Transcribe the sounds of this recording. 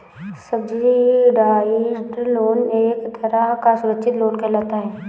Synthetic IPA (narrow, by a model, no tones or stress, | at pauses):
səbd͡ʒiɖaːd͡ʒɖloːneːkd̪ʱɐɾakasʊɾəkʃɪt̪loːnkəlaːt̪aɦɛː